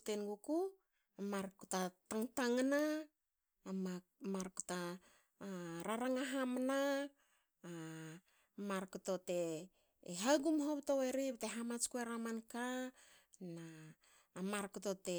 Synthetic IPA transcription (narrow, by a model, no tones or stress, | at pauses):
tenɡuku | amaɾkutataŋtaŋana | maɾkuta | ɾaɾaŋaɦamana | maɾkuto̞te̞ː | ɦaɡumɦoβto̞weɾibteɦamat͡ʃkueɾamanka | naː | maɾkuto̞te